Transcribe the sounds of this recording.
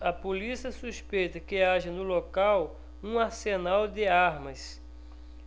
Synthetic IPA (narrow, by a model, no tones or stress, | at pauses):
ɐpolisiɐsuspejt̪ɐkɪaʒɐnʊlokaw | ũaɾsenawd̪ɪaɾmɐs